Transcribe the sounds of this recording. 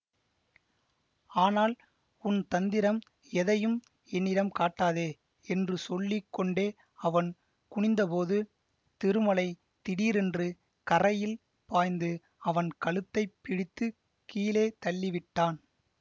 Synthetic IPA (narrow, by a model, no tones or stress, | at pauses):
aːnaːl | ʊnt̪ɐnd̪ɪɾɐm | ɛðɐjɯm | ɛnːɪɾɐmkaːʈːaːðeː | ɛndrɯsɔlːɪkːɔɳɖeː | ɐʋɐn | kʊɳɪnd̪ɐpoːðɯ | t̪ɪɾɯmɐlɐɪ | t̪ɪɽiːɾɛndrɯ | kɐrɐjɪl | paːjnd̪ɯ | ɐʋɐnkɐɭɯt̪ːɐɪpːɪɽɪt̪ːɯ | kiːleːt̪ɐɭːɪʋɪʈːaːn